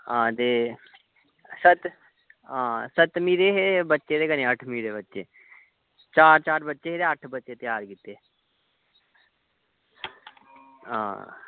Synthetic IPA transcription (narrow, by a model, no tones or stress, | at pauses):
ɦãːt̪eː | sət̪ | ãːsət̪miːɾeːɦeːbətːʃed̪eːɡəneːəʈʰmiːɾeːbətːʃḛː | t͡ʃaːɾt͡ʃaːɾbətːʃeɦeːd̪eəʈʰbətːʃet̪jaːɾkit̪ːeː | ɦã̰ː